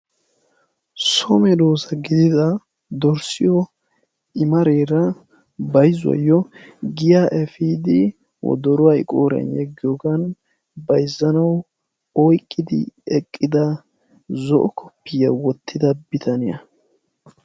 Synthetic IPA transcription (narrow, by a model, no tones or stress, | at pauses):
sɔmɛd̪o̞ːsɐɡɪd̪ɪd̪ɐ | d̪ɔɾsɪjɔ | ʔɪmɐɾeːɾɐ | bɐjzʊwɐ̰jːɔɡɪjaʔɛfid̪ɪ | wɔ̰d̪ɔɾʊwaɪkʼoːɾɛ̰njɛɡːɪjoɡɐn | bɐjzːɐnɐw | ɔjkʼːɪd̪ɪ̰ɛkʼːɪd̪ɐ | zɔʔɔkʰɔ̥pːɪjɐwɔt̪ʰːɪd̪ɐbɪt̪ʰɐnɪjɐ